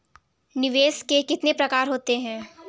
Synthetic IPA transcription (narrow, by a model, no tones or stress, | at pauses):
nɪʋeːskekɪt̪nepɾɐkaːɾɦoːt̪eɦɛ̃ː